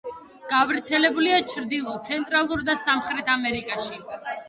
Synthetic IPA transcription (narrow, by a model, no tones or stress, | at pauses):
ɡ̥avɾt̪sʰɛlɛbuliat͡ʃʰɾd̪ilˠɔt̪sʰɛnt̪ʼɾalˠuɾd̪asamχɾɛt̪ʰamɛɾikʼaʃi